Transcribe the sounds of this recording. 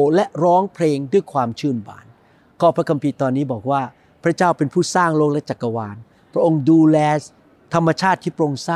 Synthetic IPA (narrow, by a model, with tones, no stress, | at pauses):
lɛ˦˥ɾɔː˦˥ŋpʰleː˧ŋdu˥˩əjkʰwaː˧mt͡ɕʰɯː˥˩nba̰ː˨˩n | kɔː˥˩pʰɾa˦˥kʰa˧mpʰiː˧t̪ɔː˧nːiː˦˥˩bɔː˨˩k̚waː˥˩ | pʰɾa˦˥t͡ɕaː˥˩wpe˧npʰuː˥˩saː˥˩ŋloː˥˩k̚lɛ˦˥t͡ɕa˨˩kːa˧waː˧n | pʰɾa˦˥ʔo˧ŋduː˧lɛː˧ | t̪ʰa˧mːa˧t͡ɕʰaː˥˩t̪ʰːiː˥˩pɾo˧ŋsaː˥